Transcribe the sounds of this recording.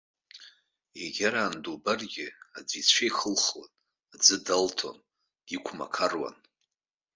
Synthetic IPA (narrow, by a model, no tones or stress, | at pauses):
eɡʲaɾaːndubarɡʲɪa̰d͡zʷit͡ɕʷʰejχəlχwan | ad͡zɨdaltʰo̰n̥ | ikʷʰma̰kʰarwa̰n